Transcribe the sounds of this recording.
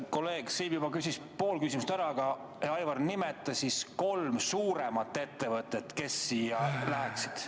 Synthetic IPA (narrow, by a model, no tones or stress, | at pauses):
ko̞lːe̞ːɡ̥siːbjubɑkysis | po̞ːlkysʲimust̪æɾɑɡɑ | eɑjvɑrnimet̪ːˑɑsʲisko̞lmsuːɾemɑt̪ˑːe̞t̪ːe̞vɤt̪ːˑet̪ke̞sːiːjɑlæɦeksi̥d̪̥